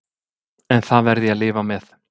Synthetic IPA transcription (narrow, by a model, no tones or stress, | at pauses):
ɛnθaðvɛɾðɪaðlɪːvamɛθ